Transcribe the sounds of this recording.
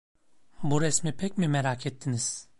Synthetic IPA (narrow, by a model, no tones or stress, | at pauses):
buɾɛsmipʰɛcmimeɾakʰɛt̪ʰːiniz̥